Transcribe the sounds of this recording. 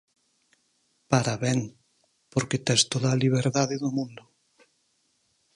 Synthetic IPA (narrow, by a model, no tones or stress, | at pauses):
paɾaβɛŋ | poɾket̪ɛst̪oðaliβ̞eɾðaðeðomũnd̪ʊ